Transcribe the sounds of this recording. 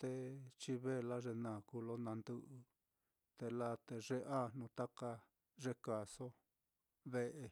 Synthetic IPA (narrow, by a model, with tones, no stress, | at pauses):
t̪e˧t͡ʃi˧βe˦˧la˦ʐe˧nã˨ku˧lo˦nã˧nd̪u˧ʔɨ˧ | t̪e˧la˦t̪e˧ʐe˧ʔa˦n̥ũ˧t̪a˦ka˧ | ʐe˧ka˨so˦ | βe˦ʔe˧